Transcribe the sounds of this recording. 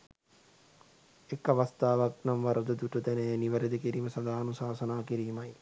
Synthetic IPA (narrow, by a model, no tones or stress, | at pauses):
ekːaʋast̪aːʋak̚namʋaɾəd̪əd̪uʈət̪ɛnejniʋəɾed̪əkiɾiːməsad̪aːnusaːsɐnaːkiɾiːmaj